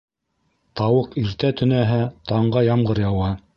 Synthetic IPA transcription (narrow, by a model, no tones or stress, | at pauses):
t̪ɑwɤqiɾt̪æt̪ɵ̆næɦæt̪ɑɴɢɑjɑmɢɤɾjɑwɑ